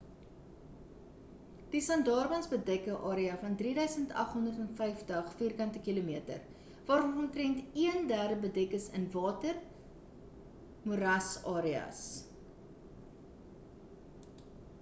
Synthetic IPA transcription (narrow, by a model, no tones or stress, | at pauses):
d̥isɐndɑːrbɐnsbədɛkəʔɑːɾiɐfɐndriːdœɥsəntɐ̰χɦɔndərtɛnfɛjftəχfiːrkɐntəkilumiətə̰r | vɑːɾɔnɔntrɛntiəndæːrdəbədɛkəsə̰nvɑːtər | muɾɐsɑːɾiɐ̰s